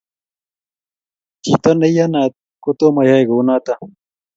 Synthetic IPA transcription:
t͡ɕḭt̪ɐnɐjanaːt̪̚ | kot̪omɐjaɡonaːt̪a

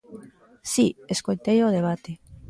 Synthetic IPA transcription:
sieskojt̪ejoð̞eβ̞at̪e

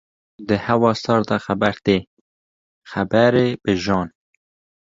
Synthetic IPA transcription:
d̪əhawɑːsɑɾd̪ɑxabaɾt̪eː | xabaɾebəʒɑːn

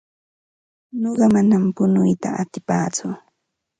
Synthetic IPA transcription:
noɢɑmanampʊnʊjt̪a̰at̪ɪpa̰ːt͡sʊ

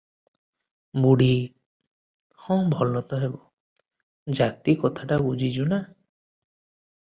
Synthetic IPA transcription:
buɽi | hɔ̃ŋbʱɔlɔt̪ɔɦebɔ | d͡ʒat̪ikɔt̪ʰaʈabud͡ʒʱid͡ʒuna

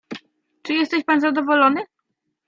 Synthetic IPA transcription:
t͡ʂɘjɛst̪ɛɕpanzad̪ɔvɔlɔnɘ

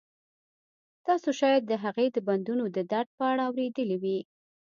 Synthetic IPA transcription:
t̪ɑsoʃɑjad̪̚ːəɦaɣed̪əband̪unod̪əd̪aɾɖ̚pəaɽaːwɾed̪əliwi

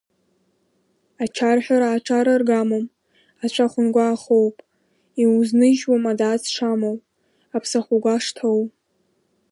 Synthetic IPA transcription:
at͡ʃʰarħʷᶣaɾaːʈ͡ʂʰaɾarɡamom | at͡ɕʷʰaχʷʊnɡʷaːχowpʼ | iuznɨʒwamadaːt͡sʰʂamow | apʰsaχʷuɡʷaʂtʰow

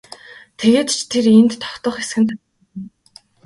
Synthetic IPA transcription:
t̪ʰeɣeːt̪t͡ɕʰt̪ʰeɾent̪ːʰɔ̥kt̪ɞ̆χesɡɘ̆nt̪ʰa

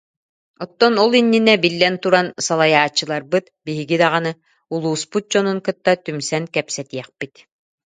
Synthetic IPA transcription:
ɔt̪ːɔnɔlˠinːinɛbilːɛnt̪uɾansalˠajaːt͡ɕːɯlˠaɾbɯt̪biɦiɡid̪aʁanɯ | ulˠuːsput̪̚d͡ʑɔnuŋkɯt̪ːat̪ymsɛnkɛpsɛt̪iɛχpit̪

